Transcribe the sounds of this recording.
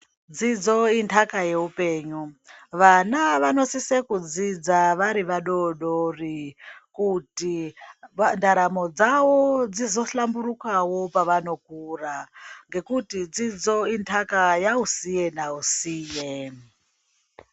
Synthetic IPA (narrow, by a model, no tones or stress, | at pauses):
d͡zid͡zointʰakaje̞upeːɲuʋanaʋano̞sisekud͡zid͡zaʋaɾiʋaɗoɗorikuti | andaɾamod͡zawod͡zizo̞ɬambuɾukawopaʋano̞k̚uːraŋɡe̞kutid͡zid͡zointʰakajausijenausiːje